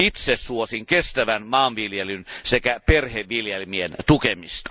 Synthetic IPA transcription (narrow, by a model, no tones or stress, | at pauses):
it̪sessuosiŋkest̪æʋænmɑːnʋiljelynsekæperheʋʋiljelmient̪ukemist̪ɑ̥